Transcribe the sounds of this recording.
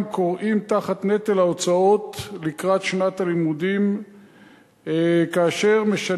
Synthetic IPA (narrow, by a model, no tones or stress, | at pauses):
mkoʁʔimt̪aχat̪ne̞t̪elaot͡sao̞tlikʁat̪ʃnat̪alimudim | kaːʃe̞ʁmeʃa